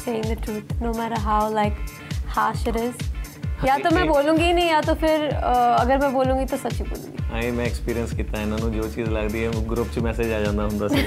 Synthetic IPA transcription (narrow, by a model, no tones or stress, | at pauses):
seːɪ̃ŋd̪əʈɾuːt̪̚ʰnoːmæːɾəɾɦaʊlaɪk | haːʃɪɾɪz | jat̪omɛ̃boːlũːɡinɐĩjaːt̪opʰɪɾəɐɡəɾmɛ̃boːlũːŋɡit̪osɐt͡ʃibo̰ːlṵ̃ːɡiaĩmɛ̃ɛkspiːɾiə̃nskiːt̪aɛɪnãːnũd͡ʒoːt͡ʃiːzləɡd̪iɦɛɡɾʊpt͡ʃmɛːsed͡ʒaːd͡ʒãːnd̪aɦʊ̃nd̪aːsɛ